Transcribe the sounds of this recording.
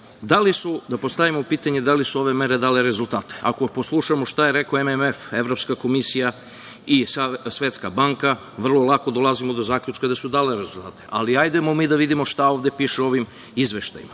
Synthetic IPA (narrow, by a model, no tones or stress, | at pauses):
d̪alisud̪apost̪aʋimoupiːt̪aɲed̪alisuo̞ʋe̞me̞ɾe̞d̪aːle̞ɾe̞zulˠt̪aːt̪e̥a̰ko̞poslˠuʃamoʃt̪ajeɾekoememefe̞ʋɾopskako̞misija | isasʋe̞t̪skabaŋka | ʋr̩lˠolˠako̞d̪o̞lˠazimo̞d̪o̞zaːkʎʲut͡ʃkad̪asud̪aːle̞ɾezult̪aːt̪eʔaliajd̪emo̞miːd̪aʋid̪imoʃt̪ao̞ʋd̪e̞piːʃeo̞ʋim | izʋe̞ʃt̪a̰jḭma